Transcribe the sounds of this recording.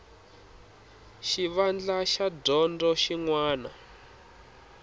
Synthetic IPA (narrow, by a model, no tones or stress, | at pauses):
ʃiβand͡ɮaʃadɔndɔʃiŋwaːna